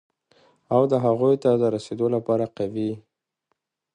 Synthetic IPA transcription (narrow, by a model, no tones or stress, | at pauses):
awd̪əɦaɣujt̪ad̪əɾased̪olapɑɾaqawi